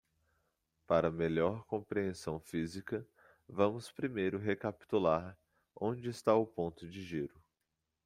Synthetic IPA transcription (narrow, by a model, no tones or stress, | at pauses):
paɾɐmeʎɔɾkõpɾiẽsɐ̃w̃fizikɐ | vɐ̃mʊspɾimejɾʊɦekapi̥t̪ulaɾ | õd͡ʒɪːst̪aʊpõnt̪ʊd͡ʒɪʒiɾʊ